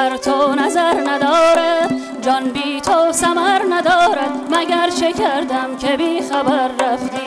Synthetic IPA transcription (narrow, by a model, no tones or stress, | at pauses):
æɾt̪ʰonæzæɾnæd̪ɒːɾæd̪ | d͡ʒɒnbiːt̪ʰosæmæɾnæd̪ɒːɾæd̪mæɡæɾt͡ʃʰekʰæɾd̪æmkʲʰebiːxæbæɾːæft̪iː